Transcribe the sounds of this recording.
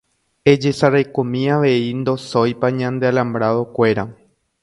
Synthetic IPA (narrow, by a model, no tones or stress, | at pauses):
e̞d͡ʒe̞saɾajkõmĩaʋe̞ind̪o̞sojpaɲãnd̪ealãmbɾaðo̞kʷe̞ɾa